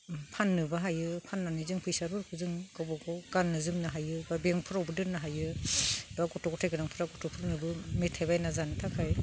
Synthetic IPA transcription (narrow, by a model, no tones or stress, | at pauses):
pʰanːɯbaɦajɯpʰanːanizɯŋpʰɯjsaɾɔɾkʰɯzɯŋɡɔbɔɡʰɔɡanːɯzɯmnaɦajɯbabeŋpʰɯɾawbɯdɯɾnːaɦajɯbaɡɔtɔɡɔtʰajkɯnaŋpʰɯɾaɡɔtʰɔpʰɯɾnɯbɯmetʰajbajnazantʰakʰaj